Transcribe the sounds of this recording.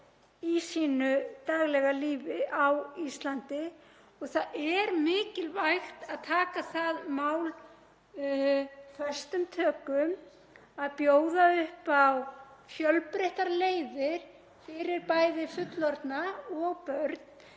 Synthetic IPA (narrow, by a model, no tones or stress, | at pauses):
isiːnʏt̪aɣlɛɣaliːvɪʔawist̪lant̪ɪ | ɔɣθaɛɾmɪːcɪlvajxt̪aðt̪ʰaːkaθaðmaːwl | fœ̥st̪ʏmt̪ʰœːkʏm | aðpjoːwðaʏhpawfjœlpɾejht̪aɾleːjðɪɾ̥ | fɪɾɪɾpajðɪfʏt̪lɔɾt̪naɔɣpœɾt̪̚n̥